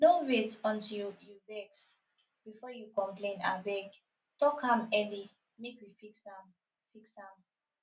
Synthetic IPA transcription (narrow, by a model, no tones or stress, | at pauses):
noɹetɔ̃ntijubɛks | b̥ifɔjukɔ̃mplẽna̰bɛɡ | tɔkhãmɛli | mekwifiksam | fikshãm